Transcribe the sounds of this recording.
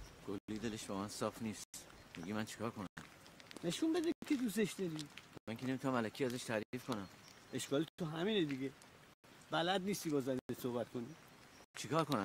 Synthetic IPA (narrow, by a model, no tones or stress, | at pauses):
ɡ̥oliːd̪e̞leʃbɒːmænsɒːfniːst̪miɟiːmænt͡ʃʰi̥kʰɒːɾkʰonæmne̞ʃunbed̪ekʰʲed̪us̬eʃd̪ɒɾimæŋkʰenemit̪unæmælækʰiæzæʃt̪ʰæɾiːfkʰonæmeʃkɒːlit̪ʰoɦæmiːned̪iɟe | bælæd̪niːst̪ibɒːzænnesohbæt̪̚kʰonit͡ʃʰikʰɒːɾkonæm